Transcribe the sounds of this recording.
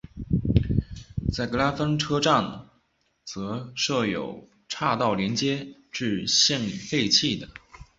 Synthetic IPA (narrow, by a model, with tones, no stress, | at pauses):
t͡sa˥˩ɪkɤ˧˥la˥fə˥ŋʈ͡ʂʰɤ˥ʈ͡ʂa˥˩ŋ | t͡sɤ˧˥ʂɤ˥˩jo˨˩ʊ | ʈ͡ʂʰa˥˧t̪ɑ˥˩ʊljɛ˧˥nt͡ɕjɛ˥ʈ͡ʂɻ̩˥˧ɕɛ˥˩nli˨˩fe˥˧ɪt͡ɕʰi˥˩d̪ə˩